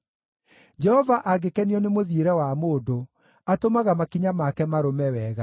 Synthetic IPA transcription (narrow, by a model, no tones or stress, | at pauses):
d͡ʒɛhɔvaʔaɡekɛniɔnemoðieɾɛwamoːdo | atomaɣamakiɲamakɛmaɾomɛwɛːɣa